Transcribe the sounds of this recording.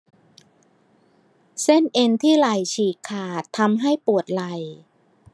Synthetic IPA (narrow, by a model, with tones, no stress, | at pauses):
se˥˩nʔe˧nt̪ʰiː˥˩la˨˩jt͡ɕʰiː˨˩kʰːaː˨˩t̪ʰːa˧mɦa˥˩jpu˨˩ət̪̚la˨˩j